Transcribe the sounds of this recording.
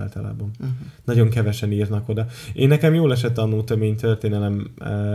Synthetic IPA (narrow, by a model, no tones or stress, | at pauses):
lt̪ɒla̰ːbɒnnɒɟo̞ŋkɛvɛʃɛniːrnɒko̞d̪ɒeːnːɛkɛmjoːlɛʃ̬ɛt̪ːɒnuːlt̪ømeːɲt̪ørt̪eːnɛlɛm